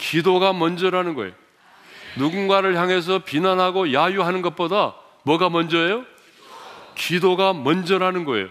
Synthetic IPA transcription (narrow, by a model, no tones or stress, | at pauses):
kidoɡamʌnd͡ʑʌɾanɯnɡʌḛjo | nuɡunɡwaɾɯɭçjaŋɦe̞s̬ʰʌpinanɦaɡojajuɦanɯnɡʌt̚p͈oda | mwʌɡamʌnd͡ʑʌejo | kidoɡamʌnd͡ʑʌɾɦanɯnɡʌḛjo